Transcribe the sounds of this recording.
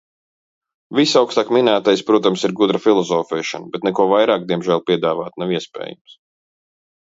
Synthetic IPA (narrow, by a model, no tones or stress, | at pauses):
visawkst̪aːkminæːt̪ajspɾuɔt̪amsiɾɡud̪ɾafilˠɔzɔːfɛːʃa̰nbɛt̪nɛkuɔvajɾaːk̚d̪iɛmʒæːlˠpʲiɛd̪aːvaːt̪naʋiɛspɛ̰ːja̰ms